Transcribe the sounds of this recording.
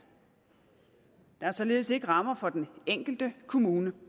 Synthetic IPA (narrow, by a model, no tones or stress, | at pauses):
d̥ɑ̈æɐsɒ̽le̝ːðˠse̝ɡ̥əʁɑ̈mɐfɒ̽d̥eneŋ̰ɡ̥l̩d̥əkʰo̝muːnə